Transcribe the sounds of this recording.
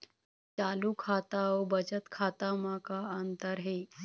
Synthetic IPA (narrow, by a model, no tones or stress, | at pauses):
t͡salukʰat̪aobəd͡ʑət̪kʰat̪amakaənt̪əɾɦe